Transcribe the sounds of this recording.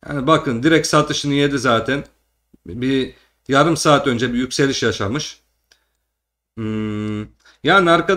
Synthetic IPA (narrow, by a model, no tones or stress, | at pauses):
ja̰nbakʰɯnd̪iɾɛc̪̚sat̪ɯʃɯnɯje̞d̪izaːt̪ʰæn | bi | jaɾɯmsaːt̪ø̞nd͡ʒɛbijycʲse̞lʲiʃjaʃamɯʃ | jaːniaɾka